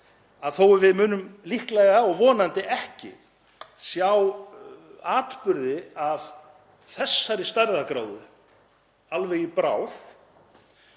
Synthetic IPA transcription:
aðθowvɪðmʏːnʏmlihklɛɣaɔɣvɔːnant̪ɪʔɛhcɪ̰ | sjaw | aːt̪pʏɾðɪav̥ | θɛsːaɾɪst̪ajɾðakɾaːwðʏ | alvɛjɪpɾa̰ːwθ

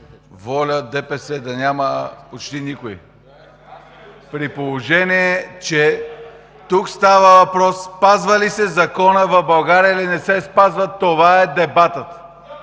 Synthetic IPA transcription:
vɔlʲəd̪ɛpɛsɛd̪ɐnʲaməpot͡ʃt̪inʲikoḭ | pɾipolˠoʒɛniɛt͡ʃɛ | t̪ukst̪avəvɐpɾɔsːpazvəlisɛzɐkɔnəvɐbɐlˠɡaɾʲiəilinɛsɛspazvət̪ːovaɛd̪ɛbat̪ət̪

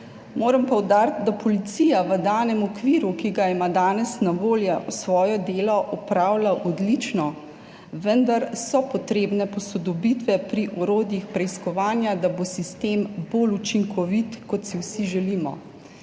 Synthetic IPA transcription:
moːɾɐmpɔwd̪aːɾt̪̚d̪apɔlit̪siːjaʋəd̪aːnɛmɔkʋiːɾukiɡaimad̪aːnɛsnaʋoːljɛwsʋɔːjɔd̪eːlɔʔɔpɾaːwlaʔɔd̪lit͡ʃnɔ | ʋənd̪aɾsɔpɔt̪ɾeːbnɛpɔsɔd̪ɔbit̪ʋɛpɾiʔɔɾoːd̪jixpɾɛiskɔʋaːnjad̪abosist̪eːmboːlut͡ʃiŋkʰɔʋit̪kɔt̪siwsiʒɛlimɔ̰

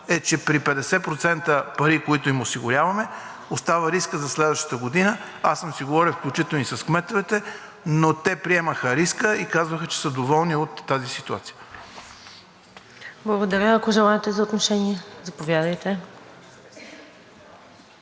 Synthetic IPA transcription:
ɛt͡ʃɛpɾipɛd̪ɛsɛpɾot̪sɛnt̪əpɐɾikoit̪ʊimosiɡʊɾʲavɐmɛ | ost̪avəɾiskəzɐslɛd̪vəʃt̪ə̥t̪əɡod̪inə | asːəmsiɡovɔɾifklʲut͡ʃit̪ɛlnisɐskmɛt̪vɛt̪ɛ | not̪ɛpɾiɛməxəɾiskəikazvəxət͡ʃɛ̥səd̪ovɔlˠniot̪ːazisit̪ua̰t̪sijə | blˠəɡod̪ɐɾʲəɐkoʒɛlˠaɛt̪ɛzɐot̪noʃɛniɛzɐpovjad̪əjt̪ɛ

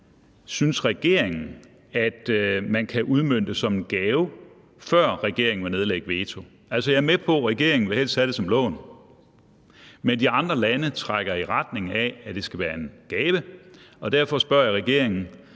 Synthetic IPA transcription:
synsʁɛɡ̥e̝ɐ̰e̝ŋn̩ | æd̥mænkʰæʔuð̞ˠmøn̰d̥əsɒ̽menɡ̥ɛːʊ | fɶɐ̰ʁɛɡ̥e̝ɐe̝ŋn̩ʋɑ̈ne̝ð̞ˠleɡ̥d̥ʋe̝ːt͡sʰo̝ | æl̰sɒjɑ̈æɐmepʰɒ̽ʁɛɡ̥e̝ɐ̰e̝ŋn̩ʋe̝hel̰st͡sʰæɾ̥e̝sɒ̽mlɔ̰̽ːn | mend̥iɑ̈nd̥ʁɐlænət͡sʰʁaɡ̥ɐiʁɑd̥ne̝ŋææd̥e̝sɡ̥æʋæːɐe̝nɡ̥ɛːʋəɒ̽d̥æɐ̰fɒ̽sb̥ɶɐ̰jɑʁɛɡ̥e̝ɐ̰e̝ŋn̩

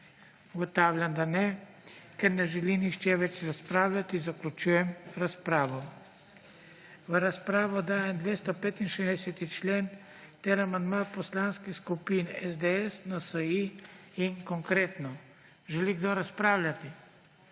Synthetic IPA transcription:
uɡɔt̪aːwlʲjand̪anɛ | kɛɾnɛʒɛlinixt͡ʃɛʋɛt͡ʃɾaspɾaːwlʲat̪izaklʲut͡ʃuːjɛmɾaspɾaːʋɔ | ʋəɾaspɾaːʋɔd̪aːjɛmd̪ʋeːst̪ɔpeːt̪inʃezd̪ɛsɛt̪it͡ʃleːn | t̪eɾamand̪mapɔslaːnskixskupiːnɛzd̪eɛsnasəiinkɔŋkɾeːt̪nɔ | ʒɛliɡd̪oɾaspɾaːwlʲjʲat̪i

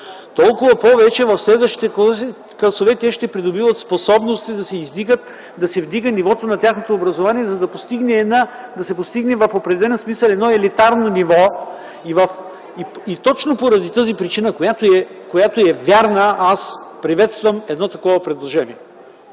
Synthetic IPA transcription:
t̪ɔlˠkʊvɐpɔvɛt͡ʃɛvɐfslɛd̪vəʃt̪it̪ɛ | klˠɐsovɛt̪ɛʃt̪ɛpɾid̪obivɐt̪sposɔbnost̪id̪ɐsɛizd̪iɡət̪ | d̪ɐsɛvd̪iɡənivɔt̪onɐt̪ʲjaxnot̪oːbɾɐzovaniɛzɐd̪ɐpost̪iɡnɛnad̪ɐsɛpost̪iɡnɛvɐfopɾɛd̪ɛlɛlɛnsmisəlˠɛd̪nɔɛlit̪aɾnonivɔ | ivɐf | iit̪ɔt͡ʃnopoɾɐd̪it̪əzipɾit͡ʃinəkojat̪oɛkojat̪oɛvjaɾnəʔaspɾivɛt̪st̪vɐmɛd̪nɔt̪ɐkɔvɐpɾɛd̪lˠoʒɛniɛ

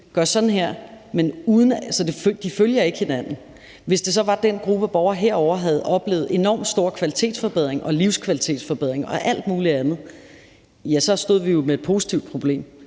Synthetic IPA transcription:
ɡ̥ɶɐ̰sɒ̽d̥n̩ɦeɐ̰menuːðˠn̩ælsɒd̥e̝fd̥iføljɐe̝ɡ̥he̝næn̰n̩ | ʋe̝sd̥e̝sɒ̽ʋɑ̈d̥enɡ̥ʁub̥əæb̥ɒʊɐɦeɐ̰ɒʊ̰ɐɦæð̞̩ˠʔɒ̽b̥le̝̰ːʊð̩ˠe̝nɒ̰ːmd̥sd̥o̝ɐ̰kʰʋælit͡sʰe̝̰ːd̥sfɒ̽b̥eð̰ʁeŋʔɒ̽liʊskʰʋælit͡sʰe̝̰ːd̥sfɒ̽b̥eð̞̰ʁeŋɒ̽ʔæl̰d̥̚muːliænð̞̩ˠ | jæsɒ̽sd̥o̝ð̰ˠʋijo̝meed̥̚pʰo̝ːsi̥t͡sʰiʊd̥̚pʰʁo̝b̥le̝̰ːm

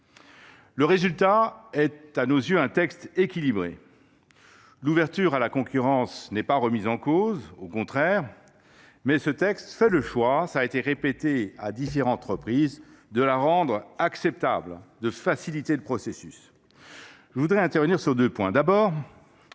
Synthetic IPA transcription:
ləʁezylt̪aɛt̪anozjøɛ̃t̪ɛkst̪ekʲilibʁḛ | luvɛʁt̪yʁalakɔ̃kʲyʁɑ̃snɛpaʁəmizɑ̃kozokɔ̃t̪χɛʁ | mɛsət̪ɛkst̪fɛləʃwasaːet̪eʁepet̪ead̪ifeʁɑ̃t̪ʁəpχiz | d̪əlaʁɑ̃d̪ʁaksɛp̚t̪a̰bld̪əfasilit̪eləpχɔsesys | ʒ̥əvud̪ʁɛɛ̃t̪ɛʁvəniʁsyʁd̪øpwɛ̃d̪abɔːʁ

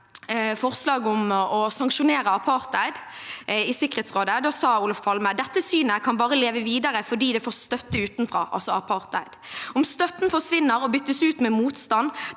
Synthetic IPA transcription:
fɔʁslɑːɡʊmɔsɑŋkʃʊneːɾəɑpʰɑʁt̪æɪd̪ɪsɪkəʁeːt̪sʁoːd̪əd̪osɑːuːlɑfpʰɑlməd̪ɛt̪ːəsyːnəkʰɑnbɑːʁəleːʋəʋiːd̪əʁəfɔɖiːd̪ɛfoːʁst̪œt̪ːəʉːt̪nfʁɑ̰ːʔɑ̰lsɔɑpʰɑʁt̪æ̰ɪd̪̥ɔmst̪œt̪nfɔʁsʋɪnːəɾɔbʏt̪ːəsʉːt̪mɛmuːt̪st̪ɑn

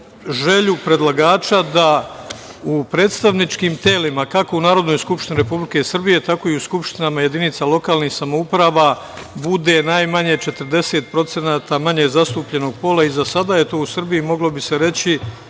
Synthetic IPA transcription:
ʒe̞ʎupɾe̞d̪lˠaɡaːt͡ʃad̪a | upɾe̞ːt̪st̪aʋnit͡ʃkiːmt̪e̞ːlimakako̞unaːɾo̞d̪no̞jskupʃt̪iniɾe̞publike̞sr̩bije̞t̪ako̞iuskupʃt̪inamaje̞d̪init̪salo̞kaːlˠnihsamoupɾaːʋa | bud̪e̞najmaɲet͡ʃe̞t̪əɾd̪e̞se̞ːt̪̚pɾo̞t̪se̞naːt̪amaɲe̞zast̪uːpʎe̞no̞ɡ̚po̞laizasad̪aje̞t̪o̞ːusr̩bijimo̞ɡlˠo̞bise̞ɾe̞t͡ɕi

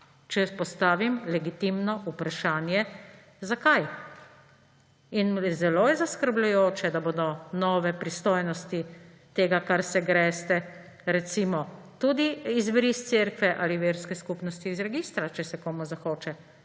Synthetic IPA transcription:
t͡ʃɛpɔst̪aːʋimlɛɡit̪imnɔʔupɾaʃaːnjɛ | zakaj | inzɛloːjɛzaskəɾblujoːt͡ʃɛd̪aboːd̪ɔnɔːʋɛpɾist̪oːjnɔst̪i | t̪eːɡakaɾsɛɡɾɛst̪ɛ | ɾɛt̪simɔ | t̪uːd̪iizbɾist̪seɾkʋɛʔaːliʋeːɾskɛskupnɔst̪iːzɾɛɡiːst̪ɾat͡ʃɛsɛkoːmuzaxoːt͡ʃɛ

